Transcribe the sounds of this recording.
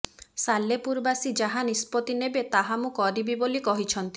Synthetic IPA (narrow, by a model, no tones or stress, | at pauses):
salːepuɾbasid͡ʒaɦanispɔt̪inebet̪aɦamũkɔɾibibolikɔɦit͡ʃʰɔnt̪i̥